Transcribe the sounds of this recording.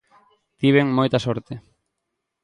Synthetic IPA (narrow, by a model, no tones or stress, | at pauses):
t̪iβ̞eŋmojt̪asoɾt̪e